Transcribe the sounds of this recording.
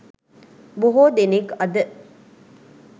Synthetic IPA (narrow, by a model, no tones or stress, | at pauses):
buɦoːd̪enekɐd̪ə